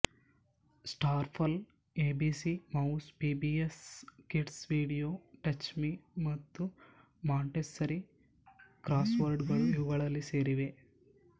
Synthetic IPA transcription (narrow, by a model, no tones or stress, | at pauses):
sʈaːɾpʰɐl | eːbisimɐuspiːbieskiʈsʋiːɽijoːʈɐt͡ʃmimɐt̪ːu | maːɳʈesɐɾi | kɾaːsʋɐɾɖɡɐɭuiʋuɡɐɭɐlːise̞ːɾiʋe